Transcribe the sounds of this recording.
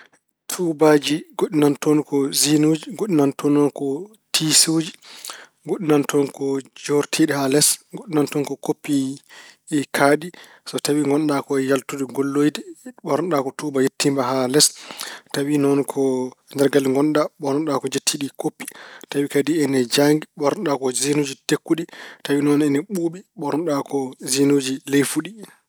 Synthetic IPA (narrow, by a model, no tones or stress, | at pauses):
tʰubad͡ʒiɡoɗinantɔnkɔzinod͡ʒiɡoɗinantʰɔnːɔnkɔ | tʰisod͡ʒi | ɡoɗinantʰɔnkɔd͡ʒɔɾtʰiɗihalɛsɡoɗinantɔnkɔkopːi | ɛkʰaɗi | sɔtawiŋɡɔnɗakɔjaltudɛɡolːojdɛɓɔɾnɗakɔtubajetːimbaɦalɛstawinɔnkʰɔndɛɾɡalŋɡɔnɗaɓɔɾɔnɗakɔd͡ʒetʰːiɗikopːi̥tawikadiɛnɛd͡ʒaŋɡiɓɔɾɔnɗakɔzinod͡ʒitekːuɗitawinɔnɛnɛɓuɓiɓɔɾɔnɗakɔzinod͡ʒilejfuɗi